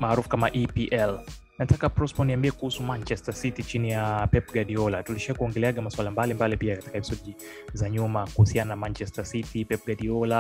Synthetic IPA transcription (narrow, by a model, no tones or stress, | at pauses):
maːɾufu̥kamaʔipiʔɛl | natakapɾɔspɔniambiɛkuhusumant͡ʃɛstasitit͡ʃinijapɛp̚ɡaɗiɔlatuliʃiakuɔŋɡɛlɛaɠamaswalambalimbalipiakati̥kahɛpi̥sɔʄi | zaɲumakuhusiananamant͡ʃɛstasitipɛp̚ɡaɗiɔla